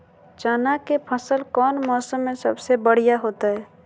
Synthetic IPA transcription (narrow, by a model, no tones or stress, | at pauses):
t͡ʃaːnakepʰəsəlkɔːnmɔːsəmːẽsɐbsebəɽ̤ijaɦoːt̪aɦɛː